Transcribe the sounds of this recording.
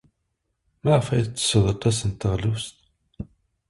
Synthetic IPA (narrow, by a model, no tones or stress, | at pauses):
mæʁəfæjdt͡sːə̥səðˤəɾt̪ˤːæsənt̪ːəʁlust̪